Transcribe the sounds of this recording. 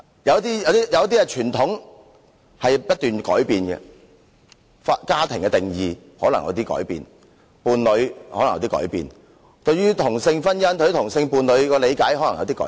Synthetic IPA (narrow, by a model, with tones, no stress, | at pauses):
jɐ˨˧wt̪iː˥jɐ˨˧wt̪iː˥jɐ˨˧wt̪iː˥ɛ˧t͡ʃʰyː˨˩nt̪ʰʊ˨˥ŋ | hɐ˨jpɐ˥t̚t̪yː˨nkɔ̰ː˨˥jpiː˨nɡɛ̰˧ | fa˧kaː˥t̪ʰɪ˨˩ŋkɛ˧t̪ɪ˨˩ŋjiː˨ | hɔː˨˥lɐ˨˩ŋjɐ̰˨˧wt̪iː˥kɔ̰ː˨˥jpḭː˨˧n | puː˨nlɵ˨˧ɥhɔː˨˥ɐ˨ŋjɐ̰˨˧wt̪iː˥kɔ̰ː˨˥jpḭː˨˧n | t̪ɵ˧ɥyː˥t̪ʰʊ˨˩ŋsɪ˧ŋfɐ˥njɐ˥nt̪ɥy˥t̪ʰʊ˨˩ŋsɪ˧ŋpuː˨˧nlɵ˨˧ɥkɔ˧le˨˧jkaː˨˥jhɔ˨˥lɐ˨˩jɐ̰˨˧wt̪i˥kɔ̰ː˨˦